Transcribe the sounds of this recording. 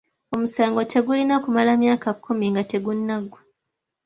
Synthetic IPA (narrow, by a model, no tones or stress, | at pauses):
o̞musaːŋɡo̞tʰe̞ɡulinakumalamjaːkakʰːumiŋɡate̞ɡunːaɡwa